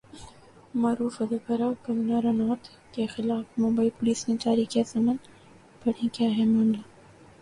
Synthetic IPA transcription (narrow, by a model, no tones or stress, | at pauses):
maːɾuːfɐd̪ɐkɐɾakɐmnaːɾanɔːɾt̪ʰ | kexɪlaːfmõːmbaipʊliːsmẽt͡ʃaːɾikesɐmən | pɐɽ̤ĩkjaːɦɛmɐ̃ːɳɖla